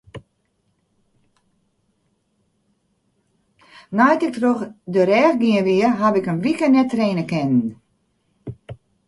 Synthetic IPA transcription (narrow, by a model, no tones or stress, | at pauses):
najtɪk̚troxdəɾɛːxɡiənʋiəɦabɪkənʋikənɛtreːnəkɛnn̩